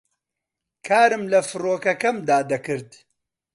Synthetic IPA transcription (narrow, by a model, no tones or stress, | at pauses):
kʰaːɾɨmlɐfɨɾoːkɐkɐmd̪aːd̪ɐkɨɾd̪